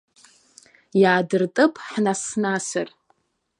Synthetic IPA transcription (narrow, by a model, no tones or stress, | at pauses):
jaːdɨrtʼɨpʼʰħnasnasa̰r